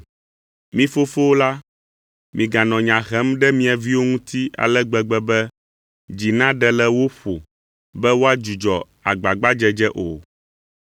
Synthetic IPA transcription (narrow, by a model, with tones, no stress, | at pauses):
mĩ˦fo˦fo˦wo˦la˦ | mĩ˨ɡa˨nɔ̃˨ɲã˨ɣɛ˦mɖɛ˦mĩ˦a˨vi˦wo˦ŋũ˦t̪ʰi˦a̰˨lɛ˦ɡ͡bɛ˦ɡ͡bɛ˦bɛ˦ | d͡ʑi˨nã˦ɖɛ˦lɛ˦wo˦ɸo˨ | bɛ˦wo˦a˦d͡ʒu˨d͡ʒɔ˨ | a˨ɡ͡ba˨ɡ͡ba˦d͡ʒɛ˦d͡ʒɛ˦ʔo˨